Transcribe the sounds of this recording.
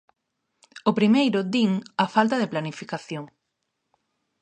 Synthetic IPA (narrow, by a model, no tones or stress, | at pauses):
opɾimejɾʊd̪iŋafalt̪ɐðɪplanifikaθjoŋ